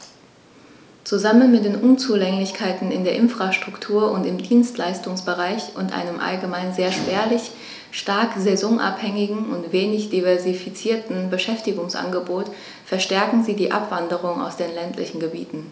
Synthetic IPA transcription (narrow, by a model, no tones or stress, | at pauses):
t͡suzamənmɪt̚d̥eːnʔʊnt͡suːlɛŋlɪçkʰaɪtn̩ɪndeːɐʔɪnfʁ̥aʃtʁ̥ʊktʰuːɐʔʊntɪmdiːnstlaɪstʊŋsb̥əʁaɪçʔʊntʔa̰ɪnəmʔa̰lɡəmaɪnzeːɐʃpɛːɐlɪç | ʃtaɐkzɛzɔŋʔa̰phɛŋɪɡŋ̩ʊntv̥eːnɪçd̥ivɛɐzifit͡siːɐtn̩bəʃɛftɪɡʊŋsʔa̰nɡəboːt | fɛɐʃtɛɐkŋ̩ziːdiːʔa̰pv̥andəʁ̞ʊŋa̰ʊsd̥eːnlɛntʰlɪ̰çn̩ɡəbḭːtn̩